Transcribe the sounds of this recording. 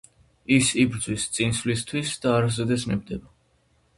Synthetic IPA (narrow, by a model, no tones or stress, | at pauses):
isibɾd̪zwist̪sʼinsvlist̪ʰwisd̪̥aːɾazɛd̪ɛsnɛb̚d̪ɛba